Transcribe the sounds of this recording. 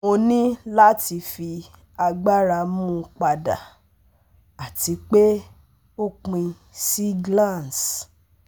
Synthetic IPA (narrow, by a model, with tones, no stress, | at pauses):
o˧nĩ˦la˦ti˧fi˧ | a˧ɡ͡ba˦ɾa˧mũ˦k͡pa˧da̰˨ | a˨ti˧˦k͡pe˦ | o˦k͡pĩ˧ | si˦ɡlã˦˨ns